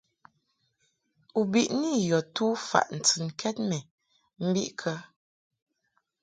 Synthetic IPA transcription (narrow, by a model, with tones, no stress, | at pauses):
u˨bi˨ʔni˦˨jɔ˨tu˦fa̰˨ʔn̩˨t͡sɨ˨nkʰɛ˦t̚mɛ˨ | m̩˦bi˦ʔkʰə˦